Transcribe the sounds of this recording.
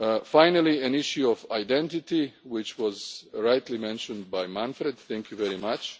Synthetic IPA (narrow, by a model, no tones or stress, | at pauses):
fajnəlˠiæ̃niʃjuɔvajdɛ̃nt̪ɪt̪iwɪt͡ʃwɔzɾajt̪ʰlimɛ̃nʃɔ̃nd̪̚bajmãnfɾɛd̪θɛ̃ŋkʰjuvɛɾimat͡ʃ